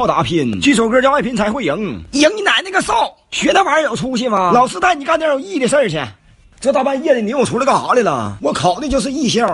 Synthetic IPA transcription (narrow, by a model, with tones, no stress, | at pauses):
ʊt̪a̰˧˥pʰi˥˩nt͡ɕy˥˩ʂo˨˩ʊkɤ˥˧t͡ɕjɑ˥a˥˧pʰi˥nt͡sʰa˧˥ɪxwe˥˩ɪji˧˥ŋji˧˥ŋni˧˩na˨˩ɪn˥˩ɡə˧sɑ˥˩ʊ | ɕɥɛ˧˥t̪ə˧˥˩fa˧˥ə˥˩jo˨˩ʊʈ͡ʂʰu˥ɕ̬i˥˩nmɐ˨˧˩lɑ˨˩ʊsʰɹ̩˥t̪a˥˩ɪni˨˩ka˥˧nji˥˩ə˨˩ʂə˥˧ɻ̩ʰ˧˩jɛ̰˧˩ | t͡sɤ˧˥t̪ɑ˥˧˩pa˥˧jɛ˥˩li˨˩ni˧˥wɔ˨˩ʈ͡ʂʰu˧˥lə˧˥ɡə˧˩xɑ˧˥li˧˩lə̰˨˩wɔ˧˥kʰɑ˨˩ʊd̪t͡ɕjo˥˧ʊʂ̬ɻ̩˥˧i˥˧ɕjɑ˥˧